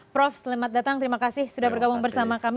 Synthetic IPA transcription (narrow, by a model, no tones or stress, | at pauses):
pɾɔfslimat̪̚dat̪aŋt̪əɾimakasɪhsudahbərɡabuŋbərsamakam